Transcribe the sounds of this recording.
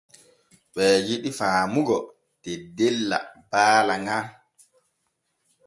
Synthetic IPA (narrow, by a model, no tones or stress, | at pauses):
ɓɛːjiɗifaːmuɡɔ | tɛdɛlːa̰baːlaŋa